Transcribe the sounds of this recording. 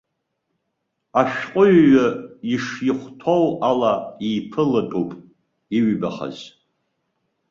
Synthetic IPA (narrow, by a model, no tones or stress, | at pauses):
aʃᶣqʷʼʊɥːaiʂjiχʷtʰowalaiːpʰɨlatʼupʼ | iɥbaχa̰z